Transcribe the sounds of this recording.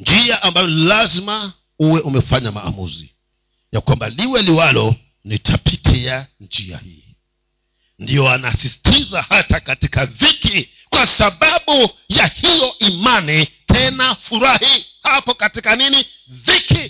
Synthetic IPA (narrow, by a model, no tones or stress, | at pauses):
nd͡ʒiaʔambajɔilazima | uwɛʔumɛfaɲama̰ːmṵzḭ | jakwambaliwɛliwalɔ | nitʰapitʰiand͡ʒia̰hḭː | ndijɔanasisi̥tʰizahatakatikaviki | kwasaɓaɓujahijɔʔimanitʰɛnafuɾahihapɔkatikanini | viki